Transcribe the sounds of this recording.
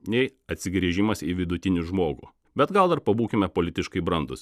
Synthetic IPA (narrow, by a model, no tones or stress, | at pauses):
nʲɛɪɐt̪ʲsʲɪɡɾʲiːʒʲɪmɐsiʋʲɪd̪ʊt̪ʲɪnʲuʒmoːɡṵː | bʲɛt̪ɡɐlˠd̪ɐɾpɐbuːkʲɪmʲɛpoːlʲɪt̪ʲɪʃkɐɪbɾɐnd̪ʊs